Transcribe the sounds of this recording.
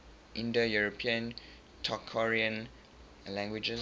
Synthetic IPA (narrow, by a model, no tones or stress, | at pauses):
ʔĩndəjuɹopʰiə̃n | tʰɔkʰːɔɹiə̃n | lɛ̃ŋɡwid͡ʒə